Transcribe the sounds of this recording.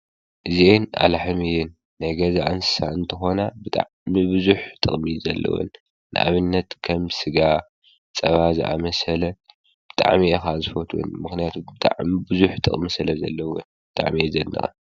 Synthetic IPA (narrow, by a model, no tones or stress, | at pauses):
ʔɨziena̰laħɨmijɨnː | ajɡɐzaʔansɨ̥saɨnt̪ʰɨxo̞nabɨt̪ʼa̰ʕmibɨzuħt̪ʼɨχʼmizɐlːɐ̰wṵnː | ɨ̰ʔa̰βɨnːɐt̪kʰɐmsɨɡa | t͡sʼɐβazɨ̰ʔa̰mɐsɐlɐ | b̥ɨt̪ʼa̰ʕmiexazɨfot̪ʰuṵnmɨxnijat̪ʰubɨt̪ʼa̰ʕmibɨzuħt̪ʼɨ̰χʼmisɨlɐzɐlːɐwunbɨt̪ʼa̰ʕmiezɐnːɐ̰xɐ